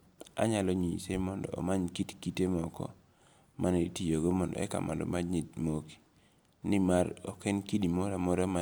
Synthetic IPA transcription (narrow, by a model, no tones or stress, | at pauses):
a̰ɲalɔɲisemɔndɔ̰ɔ̰maɲkitkitemɔkɔ̰ | mʔanetijoɡomɔndɔ̰ɛka̰mʔa̰dɔ̰maɲitmoki̥ | nɪmaɾɔ̰kenkidimoɾamɔɾama